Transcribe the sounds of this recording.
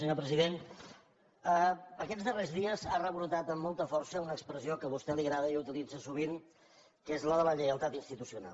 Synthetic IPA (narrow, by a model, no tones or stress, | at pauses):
əɲopɾəziðen | əəkɛzðərezðiəzarəβuɾt̪at̪əmːolˠt̪əfɔɾsəunəkspɾəziokəβust̪ɛliɣɾaðəiut̪ilid͡zəsuβ̞iŋ | kezləðələʎəəlˠt̪at̪inst̪it̪usiuna̰l